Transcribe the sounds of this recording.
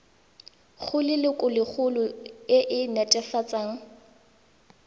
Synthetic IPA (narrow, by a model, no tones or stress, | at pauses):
χʰʊlɪlɪkʼʊlɪk͡xʰʊlʊɪʔɪnɛtʼɛfat͡sʼaːŋ̩